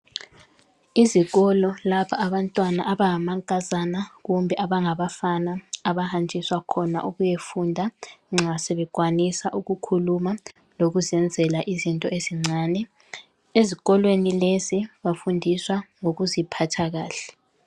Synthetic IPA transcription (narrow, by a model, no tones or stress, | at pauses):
iziɣɔlɔlapʰaʔːβantʼwanaʔaβaŋamaŋkʼazanaɣumbʱɛʔaβaŋaβafanaːβahand͡ʒʱʼiswakʰɔna̰ʔuɣujefundʱaŋ͡ǁasɛβɛkwanisaʔuɣukʰuluma | loɣuzɛnd͡zʱɛlaʔizintʼɔeziŋ͡ǀʱaːnɛ | eziɣɔlwenileziβafundʱiswaŋoɣuzipʰatʰaɣaːɬɛ̥